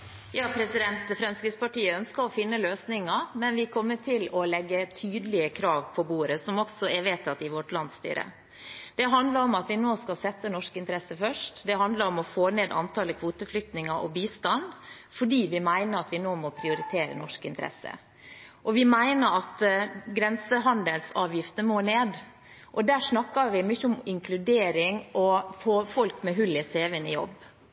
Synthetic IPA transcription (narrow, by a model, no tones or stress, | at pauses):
jɑːpʰɾɛsɪd̪ɛnt̪fɾɑnsɾɪspɑʈiːəœnskəɾɔfɪnːəløːsnɪŋɑmɛnʋɪkʰɔmːəʈʰɪlɔlɛɡːət̪ʰyːd̪əlɪəkʰɾɑːʋpʰɔbuːɾəsɔmɔksɔɛʋeːt̪ʰɑt̪ːɪʋɔʈlɑnd̪st̪y̰ːɾə̰ | d̪̥ɛɦɑnd̪lɑɾɔmɑt̪ʋɪnoːskɑlsɛt̪ːənɔʂkɪnt̪ɾɛsːəfœʂʈd̪ɛɦɑnd̪ləɾɔmɔfoːneːd̪ɑ̰nt̪ʰɑːləkʰʋuːt̪əflʏkt̪nɪŋəɾʔɔ̰biːst̪ɑnfɔɖiːʋɪmæɪnəɾɑt̪ʋɪnoːmɔpʰɾɪʊɾɪt̪ʰeːɾə̰nɔʂkɪ̰nt̪əɾɛ̰sə̰ | ʔɔʋɪmæɪnəɾɑt̪ɡɾɛnsəɦɑnd̪əlsɑːʋjɪft̪ənəmoːneːd̪ | ʔɔd̪æːʂnɑkːɑɾʋɪmyçːəʊmɪŋkʰlʉd̪eːɾɪŋʔɔfoːfɔlkmɛɦʉlɪseːʋɪnɪ̰jɔ̰bː